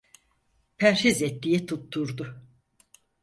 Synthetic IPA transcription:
pʰæɾʃizɛt̪ːijɛt̪ʰut̪ʰːuɾd̪ʊ

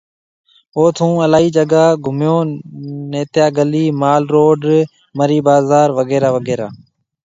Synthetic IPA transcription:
oːt̪ʰũːəlaːiːd͡ʒəɡaːɡʱʊmjõːneːt̪jaːɡəliːmaːlɾoːɖ | məɾiːbaːzaːɾʋəɡeːɾaːʋəɡeːɾaː

